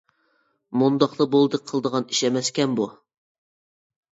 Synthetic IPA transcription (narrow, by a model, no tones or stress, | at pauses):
mund̪ɑqlˠəbolˠd̪ɨk̚ʲqʰəlˠd̪əʁɑni̥ʃɛmɛskʲɛnbu